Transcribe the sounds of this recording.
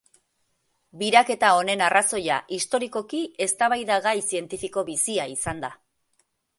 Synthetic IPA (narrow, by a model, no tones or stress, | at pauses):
biɾake̞t̪ao̞ne̞naraso̞ja̰ʔist̪o̞ɾiko̞kie̞st̪aβajðaɣajsie̞nt̪ifiko̞βisiaisand̪a